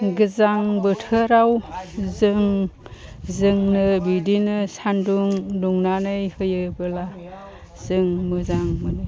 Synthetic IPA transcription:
ɡɯzaŋbɯtʰɯɾawzɯŋ | zɯŋnɯbidinɯsanduŋduŋnanɯjhɯjɯbɯla | z̥ɯŋmɯzaŋmɯnɯ

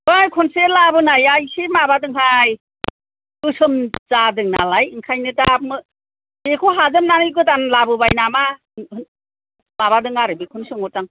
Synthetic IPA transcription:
bajkʰɔnselabɯnajajsemabadɯŋɦaj | ɯsɯmzadɯŋna̰lajɯŋkʰajnɯtamɯ | bekʰuɦazɯmnanɯjɡɯtanlabɯbajnama | maβadɯŋaɾɯbikʰɔnsɯŋɔtaŋ

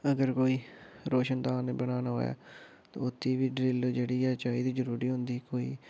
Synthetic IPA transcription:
əɡəɾkoːiːɾoːʃənd̪aːneːbəɽaːnaːɦo̰ːja̰ː | t̪õ̰ːʊt̪ʰːiːʋiːɖɾɪld͡ʒeːɽiːɛːt͡ʃaːiːd̪iːd͡ʒəɾuːɾiːɦʊ̃nd̪iːkoːḭː

